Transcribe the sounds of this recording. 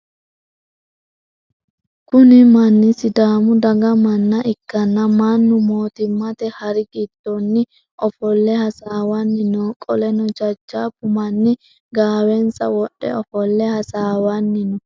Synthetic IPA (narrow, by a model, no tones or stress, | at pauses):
kʊnɪmɐnːɪsɪd̪aːmʊd̪ɐɡɐmɐnːɐʔɪkːɐnːɐmanːʊmo̞ːt̪ɪmːɐt̪ɛhɐɾɪɡɪd̪̥ːɔnːɪ | ʔɔfɔlːɛhɐsaːwɐnːɪnɔːkʼɔlɛnɔd͡ʒɐd͡ʒːaːbʊmɐnːɪ | ɡaːwɛnsɐ̰wɔɗːɛ̰ɔfɔlːɛhɐsaːwɐnːɪnɔ